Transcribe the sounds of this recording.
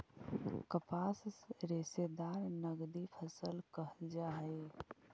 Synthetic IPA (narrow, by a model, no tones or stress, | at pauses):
kəpaːsɾesed̪aɾnəɡd̪ipʰəsəlkəɦld͡ʒaɦəɪ